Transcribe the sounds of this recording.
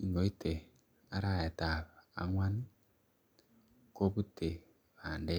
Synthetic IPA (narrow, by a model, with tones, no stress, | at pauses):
i˨ŋɡo˨i˦te˨ | a˨ɾa˦˨e˨ta˨βa̰˨ŋwa˦ni˦ | ko˦βu˦te˨ | βaː˨nde˦